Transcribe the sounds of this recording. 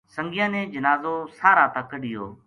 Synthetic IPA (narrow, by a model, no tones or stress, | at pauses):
səŋɡɪjãːnẽːd͡ʒənaːzoːsaːɾãːt̪əkɗɪjo̰ː